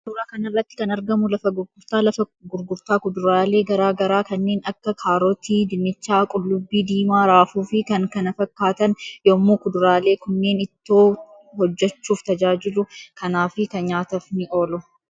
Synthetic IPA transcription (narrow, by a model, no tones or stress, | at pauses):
sʊːɾaːkɐnɐrːɐt̪ːɪ̥kɐnɐɾɡɐmʊlɐfɐɡʊɾɡʊɾt̪aːlɐfɐɡʊɾɡʊɾt̪aːkʊd̪ʊɾaːle̞ːɡɐɾaːɡɐɾaːkɐnːe̞ːnɐkːɐkʰaːɾɔt̪iːd̪ɪnːɪt͡ʃːaːkʼʊlːʊbːiːd̪iːmaːɾaːfuːfɪkɐŋkɐnɐfɐkːaːt̪ɐnjoːmːuːkʊd̪ʊɾaːle̞ːkʊnːe̞ːnɪt̪ːoː | hɔd͡ʒːɛt͡ʃːuːft̪ɐd͡ʒaːd͡ʒɪlʊkʰɐnaːfɪkɐnɲaːt̪ɐfnɪʔoːlɔ